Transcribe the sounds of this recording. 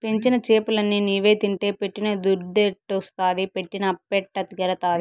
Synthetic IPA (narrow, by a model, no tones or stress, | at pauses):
peɲt͡ʃinɐt͡ʃeːpulɐnːiniːʋe̞ːt̪iɳʈe̞ːpeʈːinɐd̪uɾd̪eʈːost̪aːd̪ipeʈːinɐpeʈːɐt̪iɡɐɾɐt̪aːd̪i